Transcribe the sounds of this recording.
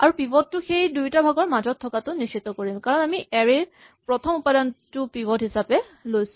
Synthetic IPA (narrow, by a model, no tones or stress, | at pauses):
aɹupibɔtːʊxejdujtabʱaɡɔɹmazɔtʰːɔkatʊnist͡ʃʰːit̪ɔkoɹimkaɹɔnamiʔɛɹe | pɹɔtʰɔmupadɔntʊpibɔtɦisapɛ | lojsʊ̥